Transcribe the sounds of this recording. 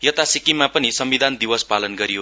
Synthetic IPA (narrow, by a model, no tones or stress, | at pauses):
jʌt̪asikimapʌnisʌmbid̪ʱand̪iwʌspalʌnɡʌɾijo